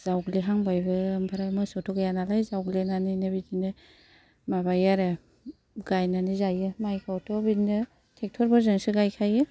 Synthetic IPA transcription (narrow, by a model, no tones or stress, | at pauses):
z̥awɡliɦaŋbajbɯmpʰaɾajmɯsɔtʰɔɡajanalajzawɡlenaninɯbidinɯ | mabajaɾe | ɡajnanizajɯmajkʰawtʰɔbidinɯ | tʰek̚tʰɔɾbʰɔɾzɯŋsɯɡajkʰajɯ